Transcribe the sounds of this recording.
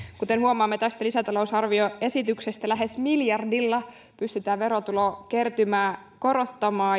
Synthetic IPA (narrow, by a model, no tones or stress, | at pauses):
kut̪e̞nhuomɑːmːet̪æst̪ælisæt̪ɑlo̞usɑrʋio̞e̞sit̪ykse̞st̪ælæɦe̞smiljɑrdilːɑ | pyst̪yt̪æːʋe̞ɾo̞t̪ulo̞ːke̞rt̪ymæː | ko̞ɾo̞t̪ːɑmɑː